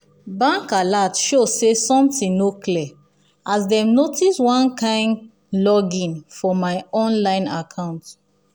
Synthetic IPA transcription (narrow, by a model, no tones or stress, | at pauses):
bãŋkalatʃosesɔ̃mtĩnnokliɛ | asdɛ̃mnotiswɔ̃nkʰãɪ̃nd | lɔɡĩnfɔmaɪɔ̃nlãɪ̃nakʰãʊ̃nt